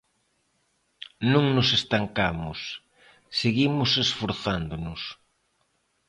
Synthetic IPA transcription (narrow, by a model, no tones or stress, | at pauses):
nũŋnʊsest̪aŋkamʊsː | eɣimʊsesfoɾθand̪ʊnʊs